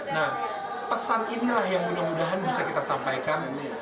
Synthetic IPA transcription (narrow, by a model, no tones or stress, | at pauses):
nah | pəsaninilahjaŋmudahmudaɦanbisakit̪asampajkan